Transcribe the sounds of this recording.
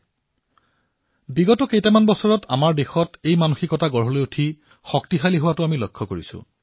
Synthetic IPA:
biɡɔtɔkejtamanbɔsɔɹɔtʰa̰maɹdexɔtejmanuxikɔtaɡɔɹɦɔlojutʰi | xɔk̚tixaliɦʊwatʊamilɔkʰːɔkoɹisʊ̰

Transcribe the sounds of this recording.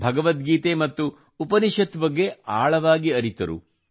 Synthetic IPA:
bʱɐɡɐʋɐt̪̚ɡiːt̪emɐt̪ːuː | pɐniʃɐt̪ʋɐɡːeaːɭɐʋaːɡiɐɾit̪ɐɾṵ

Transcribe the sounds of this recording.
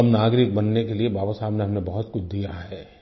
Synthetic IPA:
ɐmnaːɡɾɪk̚bɐnːekeliebaːbəsaːbneɦɐmnebɐɦʊt̪kʊt͡ʃʰd̪ijaɦɛː

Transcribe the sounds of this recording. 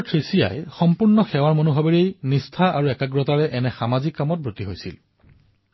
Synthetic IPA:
tʰɹisija̰jxɔmpuɹnɔxɛwaɹmonuɦabeɹejnistʰaaɹuɛkaɡɹɔtaɹɛʔɛnɛxamazikːamɔt̚bɹotiɦojsḭl

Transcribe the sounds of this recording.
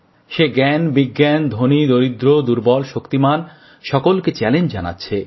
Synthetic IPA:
ʃeɡɛnbiɡːɛnd̪ʱonid̪oɾid̪ɾod̪uɾbɔlʃokt̪iman | ʃɔkolket͡ɕɛlend͡ʑd͡ʑa̰na̰tːɕʰe

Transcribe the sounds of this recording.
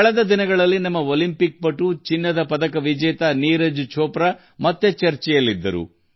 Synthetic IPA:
kɐɭɛd̪ɐd̪inɐɡɐɭɐlːinɐmːɐolimpik̚pɐʈːut͡ʃinːɐd̪ɐpɐd̪ɐkɐʋid͡ʒɛːt̪aniːɾɐd͡ʒut͡ʃʰɔːpɾa | mɐt̪ːet͡ʃɐɾt͡ʃɛjɐlːid̪ːɐ̰ɾṵ

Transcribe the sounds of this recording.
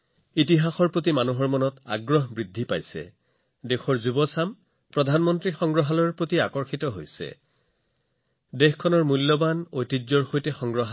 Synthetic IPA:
itiɦaxɔɹpɹotimanuɦɔɹmɔnɔta̰ɡɹɔɦbɹidʱːipajsɛ̰ | dexʰɔɹzubɔsam | pɹɔdʱanmɔntɹixɔŋɡɹɔɦalɔɹpɹotiakɔɹxitɔɦojsɛ̰ | dexkʰɔnɔɹmulːɔbanojtizɔɹxojtɛxɔŋɡɹɔɦa

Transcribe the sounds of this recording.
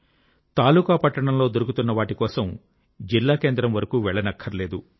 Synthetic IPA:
t̪aːluːkaːpɐʈːɐɳɐmlo̞ːd̪oɾukut̪unːɐʋaːʈikɔːsɐm | d͡ʒilːaːke̞ːnd̪ɾɐmʋɐɾɐkuːʋɛɭːɐnɐkʰːɐɾle̞ːd̪u

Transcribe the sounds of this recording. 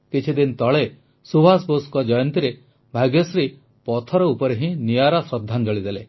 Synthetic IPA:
kit͡ʃʰid̪int̪ɔɭe | subʱasboskɔd͡ʒɔjɔnt̪iɾe | bʱaɡjɔsɾi | pɔt̪ʰɔɾɔupɔɾeɦĩnijaɾɔsɾɔd̪ʱːand͡ʒɔɭid̪ele

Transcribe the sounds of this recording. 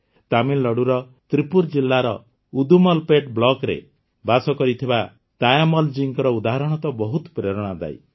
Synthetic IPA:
t̪amilːɔɽuɾɔ | t̪ɾipuɾd͡ʒilːaɾɔ | ud̪umɔlpeʈblɔkɾḛ | basɔkɔɾit̪ʰiba | t̪ajamɔld͡ʒiŋkɔɾɔud̪aɦaɾɔɽ̃ɔt̪ɔbɔɦut̪pɾeɾɔɽ̃ad̪a̰j

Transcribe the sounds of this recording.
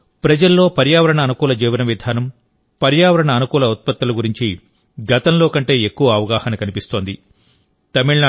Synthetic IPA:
pɾɐd͡ʒɐlːo̞ːpɐɾjaːʋɐɾɐɳɐːnukuːlɐd͡ʒiːʋɐnɐʋid̪ʱaːnɐm | pɐɾjaːʋɐɾɐɳɐːnukuːlɐut̪̚pɐt̪ːɐluɡuɾiɲt͡ʃi | ɡɐt̪ɐmlo̞ːkɐɳʈe̞ːekːuʋɐɐʋɐɡaːhɐnɐkɐnipist̪o̞ːnd̪i | t̪ɐmiɭna

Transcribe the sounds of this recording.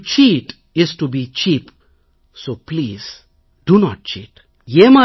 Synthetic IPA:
t͡ʃiːʈ | ɪzʈubit͡ʃiːp | soːpliːz̥ | d̥unɔʈ̚t͡ʃḭːt | jema

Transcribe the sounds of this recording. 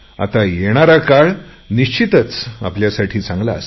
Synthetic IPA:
a̰t̪ajeɽ̃aɾakaɭ | niɕt͡ɕit̪ət͡sa̰pljasaʈʰiːt͡sãŋɡla̰s

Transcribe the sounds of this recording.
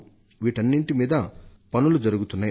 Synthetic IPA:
ʋiːʈɐnːiɳʈimiːd̪ɐpɐnulud͡ʒɐɾuɡut̪unːaːji

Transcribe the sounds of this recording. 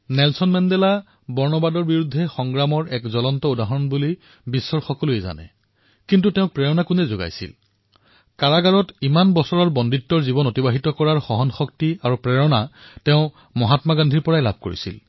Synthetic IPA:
nɛlsɔnmɛndɛla | bɔɹnɔbadɔɹbiɹudʱːɛxɔŋɡɹamɔɹɛkzɔlɔntɔudaɦɔɹɔnbuli | bisːɔɹxɔkɔlujɛza̰nɛ̰ | kintuteʊ̃k̚pɹɛɹɔnakunɛzoɡa̰jsḭl | kaɹaɡaɹɔtimanbɔsɔɹaɹbɔnditːɔɹzibɔnotibaɦitɔkɔɹaɹxɔɦɔnxɔk̚tiaɹupɹɛɹɔnatɛʊ̃ | mɔɦatmaɡandʱiɹpɔɹajla̰b̚ʱko̰ɹḭsḭl

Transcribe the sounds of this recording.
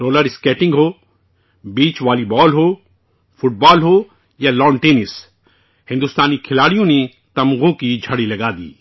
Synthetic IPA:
ɾoːləɾɪskɛːʈɪ̃ŋɡɦoː | biːt͡ʃʋaːlibɔːlɦoː | fʰʊʈ̚bɔːlɦoː | jalɔːɳʈeːnɪs | hɪ̃nd̪ʊst̪aːnikʰɪlaːɽijõne | t̪ɐmɣõkid͡ʒʱɐɽilɐɡaːd̪ḭː

